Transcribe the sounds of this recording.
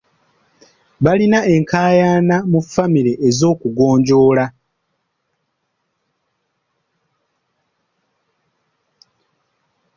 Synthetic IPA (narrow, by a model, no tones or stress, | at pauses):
βalinae̞ŋkʰaːjaːnamufamiɾe̞ʔezo̞ːkuɡo̞ːɲɟo̞ːla